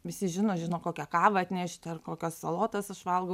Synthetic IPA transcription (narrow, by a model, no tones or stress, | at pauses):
ʋʲɪsʲɪʒʲɪnoːʒʲɪnoːkoːkʲɛkɑːʋɐɐt̪ʲnʲɛʃʲt̪ʲɐrkoːkʲoːssɐlˠoːt̪ɐsɐʃʋɐlˠɡo